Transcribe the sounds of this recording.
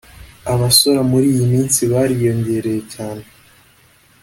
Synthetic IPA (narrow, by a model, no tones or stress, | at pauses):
aβaso̞ɾamuɾiːjimiːnsiβaːɾijo̞ɲɟe̞ɾe̞jecaːne